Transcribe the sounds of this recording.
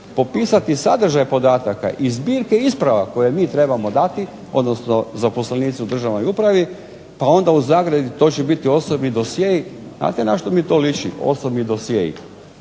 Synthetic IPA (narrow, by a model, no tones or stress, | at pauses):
po̞piːsat̪isad̪r̩ʒajpo̞d̪aːt̪aka̰ʔizbiːɾkeispɾaʋako̞jemiːt̪ɾe̞bamo̞d̪at̪i | o̞̰d̪no̞sno̞zapo̞slaniːt̪siud̪r̩ʒaʋno̞jupɾaʋi | pao̞nd̪auzaːɡɾed̪it̪o̞t͡ɕebit̪io̞sobnid̪o̞sjejiznʔa̰ːt̪enaʃt̪omit̪o̞ːlit͡ʃḭo̰sobmid̪o̞sjeḭ